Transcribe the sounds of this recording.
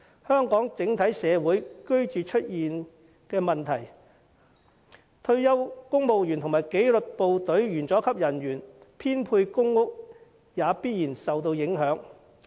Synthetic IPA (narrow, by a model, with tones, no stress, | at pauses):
hœː˥ŋkɔː˨˥ŋt͡sɪ˨˥ŋt̪ʰɐ˨˥jsɛː˨˧wuː˨˥jkɵ˥ɥt͡ʃyː˨t͡ʃʰɵ˥t̚jiː˨n | kɛː˧mɐ˨nt̪ʰɐ˨˩j | t̪ʰɵ˥˧ɥjɐ˥wkʊ˥ŋmo˨wjyː˨˩nt̪ʰʊ˨˩ŋmaː˨˩jke˨˥jlɵ˨t̚po˨wt̪ɵ˨˥ɥjyː˨˩nt͡sɔː˨˥kʰɐ˥p̚jɐ˨˩nɥyː˨˩npʰiː˥npʰuː˧jkʊ˥ŋːʊ˥k̚ | jaː˨˧piː˥t̚jiː˨˩nsɐ˨wt̪o˧wjɪ˨˥ŋɦœː˨˥ŋ